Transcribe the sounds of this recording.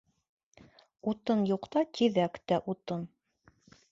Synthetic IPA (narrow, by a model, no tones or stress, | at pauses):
ut̪ɤnjuqt̪ɑt̪ʰiðækt̪æʔut̪ɤn